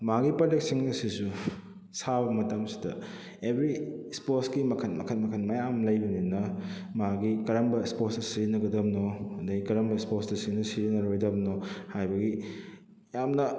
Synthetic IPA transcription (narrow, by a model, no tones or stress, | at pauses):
maɡipɐlek̚siŋnɐsisu | sabɐmɐtɐmsi̥dɐ̰ | ebʱɾisposɡimɐkʰɐnmɐkʰɐnmɐkʰɐnmɐjamlɐjbɐninɐmaɡikɐɾɐmbɐsposdɐsiɾinɐɡɐdɐmnodɐɡikɐɾɐmbɐsposdɐsinɐsiɾinɐɾojdɐbnohajbɐɡi | jamnɐ